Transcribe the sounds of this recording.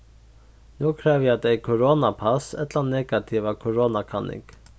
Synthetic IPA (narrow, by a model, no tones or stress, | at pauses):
nuːkʰɾɛːʋjad̪ɛɪkʰʊɾoːnapʰasɛt̪lanɛːɡat̪ʰiʋakʰʊɾoːnakʰɑnɪ̰ŋk